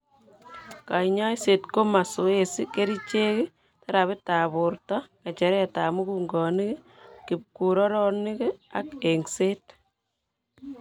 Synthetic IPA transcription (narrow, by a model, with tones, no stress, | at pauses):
ka˨ɲa˦jse˨tko˦ma˨so˦esike˦ɾi˦t͡ʃe˦kɪ˦ | tɛ˦ɾa˨βɪ˦taβuɾtɔ˦ka˨t͡ʃɛ˨ɾɛ˦tamu˦kuŋɡɔ˨nɪ˦kɪ˦ | kip̚kuɾɔ˦ɾɔnɪ˦kakeŋseː˦t